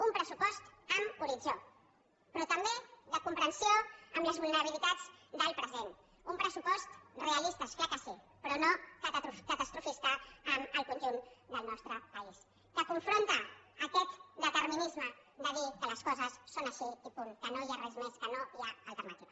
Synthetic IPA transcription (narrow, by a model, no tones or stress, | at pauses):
umpɾəsupɔst̪əmuɾid͡ʒo | pɾɔt̪əmbeðəkumpɾənsioəmləzβulˠnəɾəβilit̪ad͡zd̪əlˠpɾəzen | umpɾəsupɔst̪reəlist̪əskakəsi | pɾɔnokəkət̪əst̪ɾufist̪əːməlˠkunʒund̪əlˠnɔst̪ɾəpəis | kəkuɱfɾont̪əːkɛt̪d̪ət̪əɾminizmə | d̪əðikələskɔzəsːonəʃiipuŋkənoiarɛzmeskənoiaəlˠt̪əɾmat̪ik